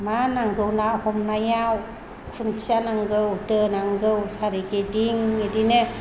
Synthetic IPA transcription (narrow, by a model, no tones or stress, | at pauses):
manaŋɡɯwnahɔmnajaw | kʰuntʰianaŋɡɯwdɯnaŋɡɯwsaɾeɡediŋːedine